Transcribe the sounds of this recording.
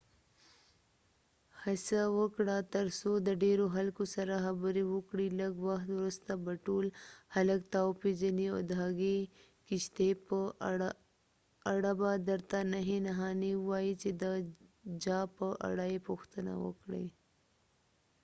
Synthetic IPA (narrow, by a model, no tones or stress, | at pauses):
hasawəkɽat̪əɾsod̪əɖeɾoɦalkosaɾaxabəɾiwəkɽiləɡwaxt̪wɾust̪abaʈulhɐləkt̪awpid͡ʒənio̰d̪aɡe | kɪʃt̪e | aɽabad̪əɾt̪anaɦinaɦɑniwait͡ʃed̪əd͡ʒɑpəʔa̰ɽaepoxt̪əna̰wə̰kɽḛ